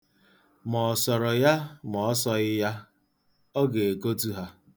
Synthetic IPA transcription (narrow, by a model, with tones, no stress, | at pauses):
mɔ˨sɔ˨ɾɔ˨ja˦mɔ˨ɔ˦sɔ˦ɣɪ˦ja˦ | ɔ˦ɡe˨e˨ko˦tu˦ɦa˦